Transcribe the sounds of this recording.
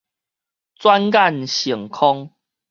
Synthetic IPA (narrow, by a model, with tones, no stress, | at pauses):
t͡swa˦nka˥˨nɕi˨˩ŋkʰɔ˦ŋ